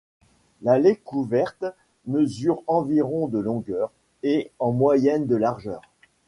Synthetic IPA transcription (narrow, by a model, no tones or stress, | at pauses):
lalekuvɛʁt̪ | məzyʁɑ̃viʁɔ̃d̪əlɔ̃ɡœːʁ | eɑ̃mwajɛnd̪əlaʁʒœːʁ